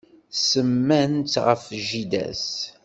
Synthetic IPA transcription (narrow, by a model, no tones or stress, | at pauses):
səmːænt͡s̪ʁə̰fʒid̪æ̰s